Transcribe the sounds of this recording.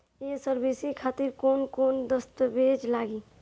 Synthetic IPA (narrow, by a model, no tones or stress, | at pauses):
jesəɾbisikʰaːt̪iɾkoːnkoːnd̪əst̪əbʱed͡ʒlaːɡi